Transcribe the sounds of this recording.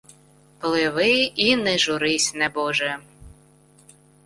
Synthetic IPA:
plˠɪʋɪinɛʒʊɾɪsʲnɛbɔʒɛ

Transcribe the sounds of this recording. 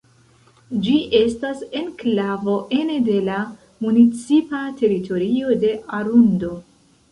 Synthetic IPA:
d͡ʒiʔe̞stase̞nklavo̞ʔe̞nede̞la | munit͡sipatʰe̞ɾitʰo̞ɾio̞de̞ʔaɾundo̞

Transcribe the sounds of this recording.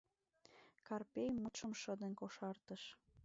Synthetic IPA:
kɑrpʲejmut̪ʃəmʃəd̪ənkoʃɑrt̪əʃ

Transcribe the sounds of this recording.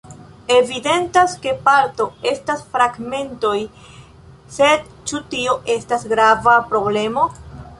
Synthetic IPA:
e̞vide̞ntaske̞palto̞e̞stasfɾaɡme̞nto̞j | se̞d | t͡ʃutio̞ʔe̞stasɡɾavapɾo̞ble̞mo̞

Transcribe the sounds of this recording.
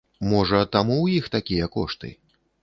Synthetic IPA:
mɔʐɐt̪amuwjixt̪akʲijɐkɔ̰ʂt̪ɨ̰

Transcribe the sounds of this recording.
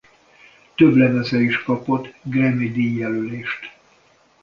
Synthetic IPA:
t̪øblɛnɛzɛiʃkɒpo̞t̪ːɡrɛmid̪iːjjɛløleːʃt̪

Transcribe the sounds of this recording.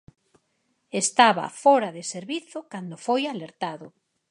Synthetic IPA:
est̪aβa̰fɔɾaðeseɾβiθʊkand̪ofojaleɾt̪aðʊ

